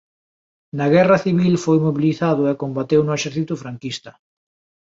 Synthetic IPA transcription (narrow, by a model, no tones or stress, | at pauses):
nɐɣɛrɐθiβ̞ilfojmoβiliθaðʊɛkombat̪ewnʊeʃɛɾθit̪ʊfɾaŋkist̪ɐ